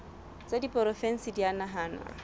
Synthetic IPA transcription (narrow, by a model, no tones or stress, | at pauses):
t͡sʼadipʼɔɾɔfɛn̩sidianaɦaːnwa̰